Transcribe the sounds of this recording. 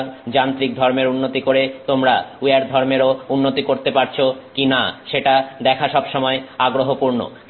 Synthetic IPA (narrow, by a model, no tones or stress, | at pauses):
d͡ʑant̪ɾik̚d̪ʱɔɾmeɾunːot̪ikoɾet̪omɾaueɾd̪ʱɔɾmeɾounːot̪ikoɾt̪epaɾt͡ɕʰokinaʃeʈad̪ɛkʰaʃɔbʃɔmɔeaɡɾoɦopuɾno̰